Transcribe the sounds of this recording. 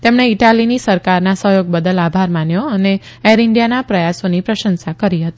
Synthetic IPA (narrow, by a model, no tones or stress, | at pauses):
t̪emɳeiʈalinisəɾkaɾnasəɦjoɡ̚bəd̪əlabʱaɾmanjoəneeɾɪɳɖijanapɾəjasonipɾəʃənsakəɾiɦət̪i